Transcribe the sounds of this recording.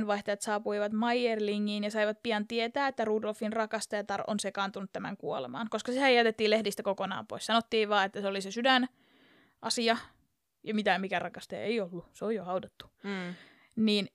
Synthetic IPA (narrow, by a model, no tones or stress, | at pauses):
nʋɑiht̪ɑjɑt̪sɑːpuiʋɑt̪mɑijjerliŋːiːnjɑsɑiʋɑt̪̚piɑnt̪iet̪æːet̪ːæruːdolfinrɑkɑst̪ɑjɑt̪ɑrʔo̰nsekɑnt̪unut̪t̪æmæ̰ŋkuolḛmɑ̰ːnkoskɑsihæjæt̪et̪ːiːlehdist̪ækokonɑ̰ːmpo̰isɑnot̪ːiːʋʋɑːet̪ːæseolisesydæn | ʔɑsiɑ | jɑmit̪æmikærɑkɑst̪ɑjɑ̰ḛiolːuseojjohɑudɑt̪ːu̥ | niːn